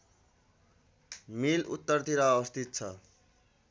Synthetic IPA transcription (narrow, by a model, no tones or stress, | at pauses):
milut̪ːʌrt̪iɾaːbʌst̪ʰit̪̚t͡sʰʌ